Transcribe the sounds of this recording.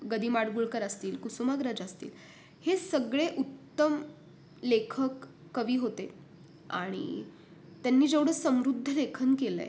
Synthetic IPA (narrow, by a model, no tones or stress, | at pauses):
ɡəd̪iːmaɽɡuɭkəɾəst̪iːlkusumaɡɾad͡zəst̪ḭːl | hesəɡɭeʔut̪ːəm | lekʰəkː | əʋiːɦot̪e | a̰ɽ̃ḭ | t̪janːiːd͡ʑeʋɽəːsəmɾud̪ʱːəlekʰənkelḛ